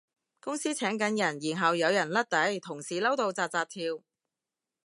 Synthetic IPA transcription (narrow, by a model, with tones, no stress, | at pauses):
kʊ˥ŋsiː˥t͡sʰɛː˨˥ŋkɐ˨˥njɐ˨˩njiː˨˩nɦɐ˨wjɐ˨˧wjɐ˨˩nlɐ˥t̚t̪ɐ˨˥jt̪ʰʊ˨˩ŋsiː˨˩lɐ˥wt̪o˨˧wt͡saː˧t̚t͡saː˧t̚t̪ʰiː˧w